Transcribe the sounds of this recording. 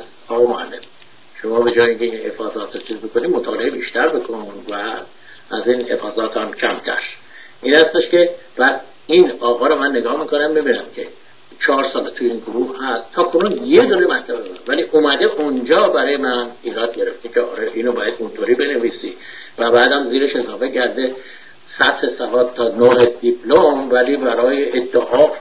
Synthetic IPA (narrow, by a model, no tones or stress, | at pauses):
z | ɒːɣɑmoæ̰lːes | ʃo̞mɒːbe̞d͡ʒɒːjeiŋcʲʰeinhḛfɒːzɒːt̪ʰɾot͡ʃʰizbokʰoniːmot̪ʰɒːle̞ebiːʃt̪æɾbekʰonnvæː | ziːnhefɒːzɒːt̪hæmcʰæmt̪ʰæ̰ɾ | ʔiːnhæst̪e̞ʃce̞ | pʰæs | inɒːɣɒːɾomænːe̞ɡɒːhmiːkʰonæmbebiːnæmcʰe̞̰ | t͡ʃʰɒːɾsɒːlet̪ʰujeiːnɡoɾuːhhæst̪ʰːɒːkʰonunjed̪oɾemæt̪ʰlæbed̪evæliːʔomæd̪e̞ʔund͡ʒɒːbæɾɒːjemæniːɾɒːd̪̚ɟe̞ɾe̞ft̪ecʰeɒ̰ːɾeʔiːnobɒːjæd̪unt̪ʰoːɾibe̞neviːsi | væbæːd̪æmziːɾeʃe̞zɒːfe̞cʰæɾd̪e̞ | sæt̪he̞sævɒːd̪̚t̪ʰːɒːnoɦed̪ipʰlomvæliːbæɾɒːjeʔed̪ːæʔɒː